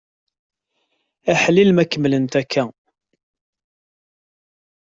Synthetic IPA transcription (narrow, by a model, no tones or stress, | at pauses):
æħlilmækːəmːlənt̪ækʰːæ